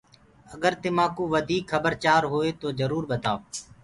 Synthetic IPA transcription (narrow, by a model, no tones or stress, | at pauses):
əɠəɾt̪eːmãːkũːʋəd̪ʱiːkʰxəbəɾt͡ʃaːɾɦoːeːt̪oːzəɾuːɾɓət̪aː